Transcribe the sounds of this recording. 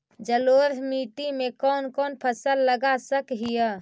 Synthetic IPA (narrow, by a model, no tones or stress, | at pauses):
d͡ʒəloɾmiʈimekɔnkɔːnpʰəsəlːəɡasəkɦijə